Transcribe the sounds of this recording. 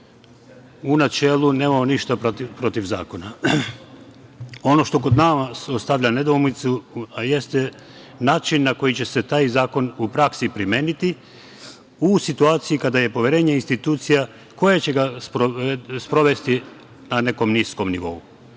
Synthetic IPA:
unat͡ʃe̞ːlˠune̞ːmamoniʃt̪apɾo̞t̪iʋza̰ːko̞na | o̞no̞ʃt̪o̞ko̞d̪namasost̪aʋʎane̞d̪omnit̪suaje̞st̪e | naːt͡ʃinːako̞jit͡ɕe̞se̞t̪aːjzaːko̞nupɾaksipɾimjeːnit̪i | usit̪uaːt̪sijikad̪aje̞poʋjeɾe̞ːɲe̞inst̪it̪uːt̪sija | ko̞jet͡ɕe̞ɡaspɾospɾo̞ʋe̞st̪i | nane̞ko̞mnisko̞mniʋo̞̰u

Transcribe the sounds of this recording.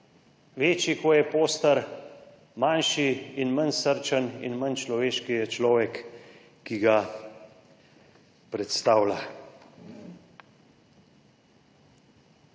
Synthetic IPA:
ʋeːt͡ʃikɔjɛpoːst̪əɾ | manʃiinmənsəɾt͡ʃənḭnmənt͡ʃlɔʋeːʃkijɛt͡ʃlɔːʋɛkː | iɡa | pɾɛt̪st̪aːwla

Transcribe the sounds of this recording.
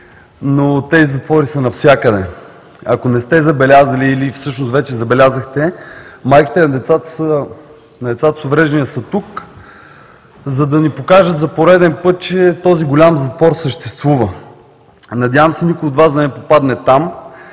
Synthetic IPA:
not̪ɛizɐt̪vɔɾisənɐfsʲjakəd̪ɛ | ɐkonɛst̪ɛzɐbɛlʲazəliːlifsɤʃnost̪vɛt͡ʃɛzɐbɛlʲazəxt̪ɛmajˠki̥t̪ɛnɐd̪ɛt̪sat̪əsə | nɐd̪ɛt̪sat̪ə̥sovɾɛʒd̪ɛniəsət̪uk | zɐd̪ɐnipokaʒət̪zɐpoɾɛd̪ɛnpɤt̪̚t͡ʃɛt̪ɔziɡolʲamzɐt̪vɔɾsəʃt̪ɛst̪vuvə | nɐd̪ʲjavəmsɛnʲikʊjod̪vazd̪ɐnɛpopad̪nɛt̪am

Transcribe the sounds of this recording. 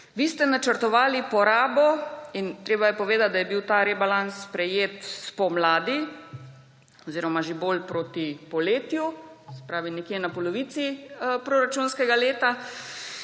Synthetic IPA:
ʋiːst̪ɛnat͡ʃəɾt̪ɔʋaːlipɔɾaːbɔint̪ɾeːbajɛpɔʋeːd̪at̪̚d̪ajɛbiwt̪aːɾɛbalansspɾɛjeːt̪spɔmlaːd̪i | ɔziːɾɔmaʒeboːlpɾoːt̪ipɔleːt̪jusɛ̥pɾaːʋinɛkjenapɔlɔʋiːt̪sipɾoɾat͡ʃunskɛɡaleːt̪a

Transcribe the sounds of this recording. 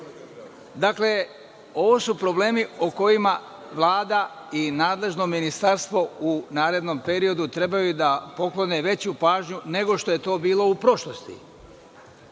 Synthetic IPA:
d̪akle̞ | o̞ʋo̞supɾo̞ble̞ːmioko̞jima | ʋlˠaːd̪a | inaːd̪le̞ʒno̞minist̪aɾst̪ʋo̞unaːɾe̞d̪no̞mpe̞ɾio̞d̪ut̪ɾe̞bajud̪apo̞klo̞ne̞ʋe̞t͡ɕupaːʒɲune̞ɡo̞ʃt̪o̞je̞t̪o̞ːbiːlo̞upɾo̞ʃlo̞st̪ḭ

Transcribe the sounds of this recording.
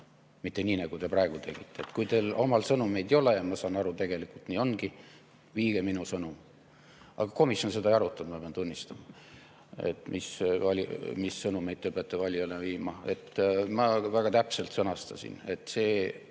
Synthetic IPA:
mit̪ːe̞niːnɑɡ̥ut̪e̞prɑe̞ɡ̥ut̪e̞ɡ̥it̪ːˑe̞ːt̪kujt̪elo̞mɑlsɤnume̞jd̪ejo̞lejɑmɑsɑːnɑɾut̪e̞ɡ̥e̞likult̪niːo̞nɡ̥i | viːɡ̥eminusɤnum | ʔɑ̰ɡ̥ɑko̞misjo̞nse̞d̪ɑjɑɾut̪ːˑɑd̪mɑpeɑnt̪unʲːist̪ɑmɑ | e̞̰t̪mʔisvɑlʲmisːɤnume̞jd̪̚t̪ːepɑt̪ːˑevɑlʲjoleviːmɑe̞̰t̪mɑvæɡ̥ɑt̪æpselt̪sɤnɑst̪ɑsʲḭne̞t̪se̞ː

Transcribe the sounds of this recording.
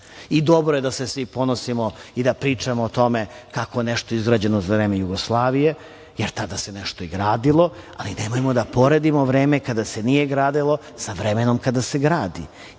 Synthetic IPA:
id̪o̞bɾojed̪asesʋipo̞nosimoid̪apɾiːt͡ʃamoːt̪o̞mekakojeneʃt̪oizɡɾad͡ʑenozavɾe̞ːmejuɡoslˠaːʋije̞ | jeɾt̪ad̪aseneʃt̪oiɡɾaːd̪ilˠo̞a̰lid̪emojemod̪apo̞ɾe̞d̪imo̞ʋɾeːmekad̪asenijeɡɾaːd̪ilˠo̞ | saʋɾemeno̞mkad̪aseɡɾaːd̪i

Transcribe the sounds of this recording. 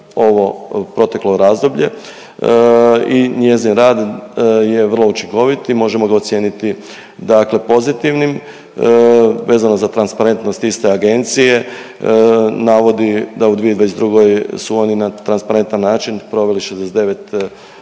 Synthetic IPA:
o̞ʋo̞pɾo̞t̪e̞klo̞ɾazd̪o̞bʎe̞ | iɲe̞zinɾaːd̪je̞ʋər̩lˠo̞ut͡ʃiŋko̞ʋit̪imo̞ʒe̞mo̞ɡaot̪sjeːnit̪i | d̪akle̞po̞zit̪iʋnim | ʋe̞ːzano̞zat̪ɾanspaɾe̞nt̪no̞st̪ist̪e̞aɡe̞nt̪sije̞ | naːʋo̞d̪id̪aud̪ʋijeid̪aes̬d̪ɾuɡojsuo̞ninat̪ɾanspaɾe̞nt̪anːaːt͡ʃinpɾo̞ʋe̞liʃezd̪esed̪e̞ʋe̞t̪

